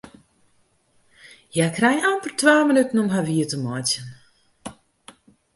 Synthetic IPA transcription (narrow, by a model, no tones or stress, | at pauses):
jakrɛjampərtʋaːmənytən̩ɔmɦaʋiətəmɔjtjən